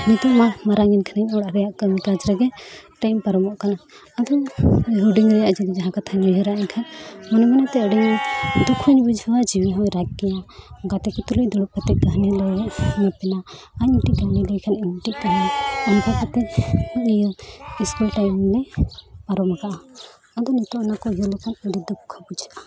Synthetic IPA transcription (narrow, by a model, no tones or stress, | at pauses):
nit̪ɔmamaɾaŋɛnkʰanɛɲɔɽaɾɛjaʔkəmikad͡ʒɾɛɡɛʈajmpaɾɔmɔʔkanaː | d̪ɔɦuɖiŋɾɛjaʔd͡ʒid̪id͡ʒaɦãkat̪ʰaniɦɔɾaʔiɲkʰanmɔnɔmɛnat̪ɛəɖiɲd̪ukʰuɲbud͡ʒʱhɔwad͡ʒiwiɦɔjɾakkɛjaɡat̪ɛkit̪ulujd̪ɔɽuʔ̚pat̪ɛʔ̚kaɦnilɔjɔʔmɛpɛna | aɲiʈiʔkaɦnilɔjkʰaniɲʈiʔkajainkʰakat̪ɛaŋijɔiskulʈajmlɛaɾɔmaɡaʔa | ad̪ɔnɔt̪ɔʔnakɔijɔlɔkʰanud̪id̪ukʰkʰːabud͡ʒʱaʔa